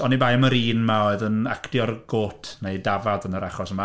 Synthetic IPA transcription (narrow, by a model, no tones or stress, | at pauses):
ɔnibajməɾiːnmaoɨðənakʰdjɔrɡ̥oːtʰnejdavaðənəɾaχɔsəma